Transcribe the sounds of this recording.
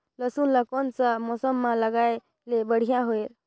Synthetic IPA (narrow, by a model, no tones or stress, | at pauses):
ləsunlakɔnt͡samɔsɔmːãlaɡaj | lebəɽ̤ijaɦoeɾ